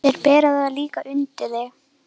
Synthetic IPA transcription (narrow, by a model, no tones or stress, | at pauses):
ɛɾpɛːɾaðaðaliːkaʔʏnt̪ɪðɪ